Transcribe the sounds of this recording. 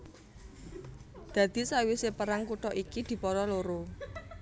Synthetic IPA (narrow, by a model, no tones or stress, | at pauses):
d̪̥ä̤d̪̥i̤sawisepəɾaŋkuʈɔʔikid̪̥i̤pɔɾɔloɾo